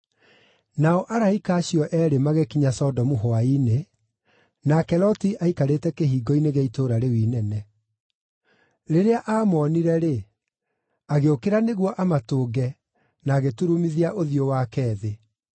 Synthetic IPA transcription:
naɔʔaɾaikaːɕjɔʔɛɾemaɣekiɲasɔdɔmuɦoaine | nakɛlɔtiʔaikaɾetɛkeɦiːɡɔineɣeitoːɾaɾewiːnɛnɛ | ɾeɾeaʔaːmɔːniɾɛɾe | aɣeokeɾaneɣwɔʔamatoːɡɛ | naːɣetuɾumiðiaʔoðiowaːkɛːðe

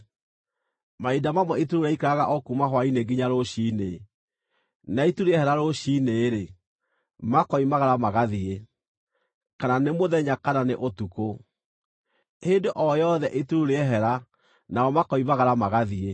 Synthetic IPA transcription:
maidamamwɛituɾoɾaikɾaɣaʔɔkumaɦwaineɡiɲaɾoɕine | naituɾeɛhɛɾaɾoɕineːɾe | makɔimaɣaɾamaɣaðie | kananemoðɛɲakananeʔotuko | hendoʔɔjɔðɛʔetuɾuɾeɛɦɛɾa | naɔmakɔimaɣaɾamaɣaðie

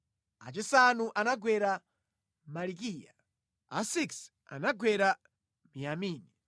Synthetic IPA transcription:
a̰t͡ʃisanuʔanaɡʱwɛɾa | malikiːja | asiks | a̰naɡwɛɾa | mijamiːni

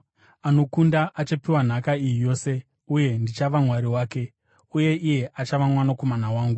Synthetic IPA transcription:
ano̞kundaʔat͡ʃapiwan̤akaijijo̞ːse̞ | uje̞ndit͡ʃaʋamwaɾiwaːke̞ | uje̞ʔije̞ʔat͡ʃaʋamwanako̞manawaːŋɡu

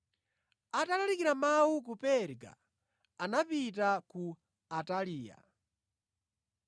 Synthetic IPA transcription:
atalalikiɾamawukupɛɾɡa̰ | anapitaku | ataliːja̰

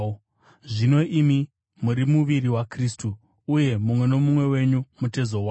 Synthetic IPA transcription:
ʐino̞ʔimi | muɾimuʋiɾiwakristuː | je̞mumwe̞no̞mumwe̞we̞ɲumute̞zo̞waː

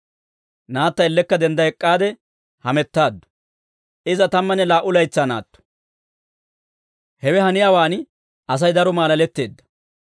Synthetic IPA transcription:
naːt̪ːɐɪlːɛkːɐd̪ɛnd̪ɐɛkʼːaːd̪ɛ | hɐmɛt̪ːaːd̪ːɔ̥ | ʔɪzɐt̪ɐmːɐnːɛlaːʔʊlɐjt͡sːana̰ːt̪ːɔ̥ | hɛwɛhɐnɪjaːwaːn | ʔɐs̬ɐjd̪ɐɾɔmaːlɐlɛt̪ːe̞̰ːd̪ːɐ̥

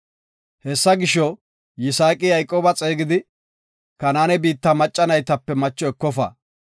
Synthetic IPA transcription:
hɛsːɐɡɪʃɔ | jɪsaːkʼɪjɐjkʼoːbɐt͡sʼeːɡɪd̪ɪ | kɐnaːnɛbiːt̪ːɐmɐt͡ʃʼːɐnɐjt̪ɐpːɛmɐt͡ʃːɔɛkːɔfɐ̰

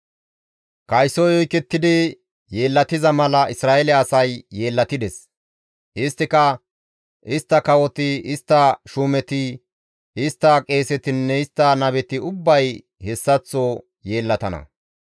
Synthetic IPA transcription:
kɐjsɔjɔjkɛt̪ːɪd̪ɪ | jeːlːɐt̪ɪzɐmɐlɐɪsɾaːʔɛlɪɐsɐjːe̞ːlːɐt̪ɪd̪ɛs | ʔɪst̪ːɪkɐ | ʔɪst̪ːɐkɐwɔt̪ɪɪst̪ːɐʃuːmɛt̪ɪ | ɪst̪ːɐkʼe̞ːsɛt̪ɪnːɛɪst̪ːɐnɐbɛt̪ɪʊbːɐj | hɛsːɐt͡sːɔ | je̞ːlːɐt̪ɐnɐ̰

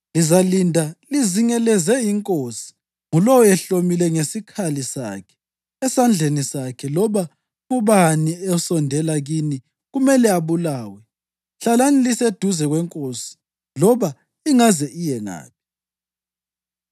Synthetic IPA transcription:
lizalindʱaliziŋɛlɛzɛjiŋkʼosi̥ | ŋulɔwɔɛɬomilɛŋesikʰalisa̰kʰɛ̥ | ɛsand͡ɮʱenisakʰɛlɔβa | ɣuβaniɛusɔndʱɛlaɣini | ɣumɛlɛaβulaːwɛ | ɬalanilised̥ʱuzɛɣwɛŋkʼosi̥ | lɔβa | iŋazɛʔijɛna̰ːpʰi̥

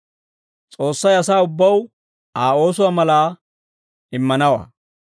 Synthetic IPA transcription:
t͡sʼo̞ːsːɐjɐsaːʊbːɐw | aːo̞ːsʊwaːmɐlaː | ɪmːɐnɐwa̰ː

